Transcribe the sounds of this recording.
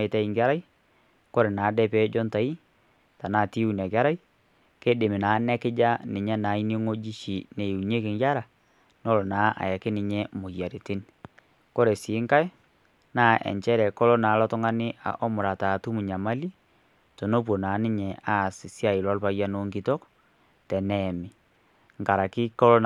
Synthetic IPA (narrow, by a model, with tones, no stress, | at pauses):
ɪ˨tɛ˦i˨ŋɡa˦ɾa˦i˦ | ko˦ɾe˨naː˨˦dɛ˦pɛ˦d͡ʒɔ˦nta˨i˦ | ta˨naː˨ti˦u˨nɛ˨ka˦ɾa˦i˦ | ke˦de˨mɪ˨naː˨˦nɛ˦kɪ˦d͡ʒa˦nɪ˨ɲa˦naː˨˦i˦ni˦ŋo˦d͡ʒi˦ʃi˨ne˨u˨ɲe˦kɪ˨ŋɡa˦ɾa˨ | no˦lo˨naː˨˦ʔa̰˨jɛ˨kɪ˦nɪ˨ɲɛ˦mʊ˨ja˨ɾe˨tɪ˦n | ko˦ɾe˨si˨˦ŋka˦j | naː˦ʔɛ̰˨ɲt͡ʃɛ˦ɾɛ˨ko˦lo˦naː˨˦lɔ˦tʊ˦ŋa˦nɪ˦a̰˨ʔo˦mʊ˨ɾa˨ta˨tu˦mu˨ɲa˨ma˦li˦ | to˨no˦p̬wo˨naː˨˦nɪ˦ɲɛ˨a˦˨si˨sja˦˨ɪ˨lɔ˦lpa˦ja˦no˨˦ŋki˦to˦k | tɛ˨nɛ˨mɪ˨ | ŋka˨ɾa˨kɪ˦ko˦lo˦